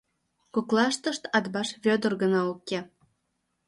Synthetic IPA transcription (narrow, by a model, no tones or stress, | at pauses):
kuklˠɑʃt̪ə̆ʃt̪ɑd̪bɑʃβʲød̪ə̆rɣə̆nɑukʲe